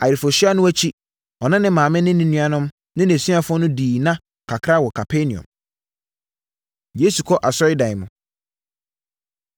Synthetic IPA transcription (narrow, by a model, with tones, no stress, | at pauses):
a̰˨jɪ˨ɾfɔ˨ɕɪ˦a˦nʊ̃˦æ˦t͡ɕʰi˦ | ɔ˨nã˦nɪ̃˦mãː˨mɪ̃˦nɪ̃˦nɪ̃˦nũ˦a˦nʊ̃˦m | nɪ̃˦næ̃˨si˦a˦fʊ˦ɔ˦nʊ̃˦diː˨nã˦ | kʰa˨kʰɾa˦˨wɔ˨kʰa˨pʰe˦nĩ˨ɔ̰̃˨m | je˦su˨kʰɔ˦ʔa˨sɔ˦ɪ˦dã˨jɪ˨mʊ̃˨